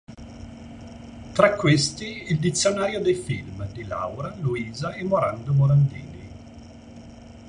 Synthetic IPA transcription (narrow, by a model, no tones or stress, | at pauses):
t̪ɾakːwest̪iːld̪it̪sːjonaːɾjod̪ejfilmd̪ila̰wɾaluiːzaɛmːoɾand̪omoɾand̪ḭːlḭ